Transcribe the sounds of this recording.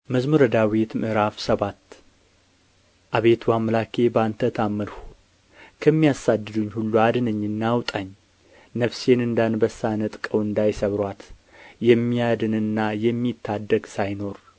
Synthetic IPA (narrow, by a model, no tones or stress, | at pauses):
məzmuɾəd̪awet̪mɨʔɾafsəβat̪ː | ʔaβe̞t̪ʰwamlakʰe̞bəant̪ʰət̪ʰamːəlhu | kʰəmːijasad̪ːɨd̪uɲːhulːuad̪ɨnəɲːɨnːawt̪ʼaɲː | nəfse̞nɨnd̪anbəsanɨt̪ʼkʼəwɨnd̪ajsəβɾʷat̪ | jɛmːijad̪ɨnɨnːajɛmːit̪ʰːad̪ːəɡsajno̞ɾ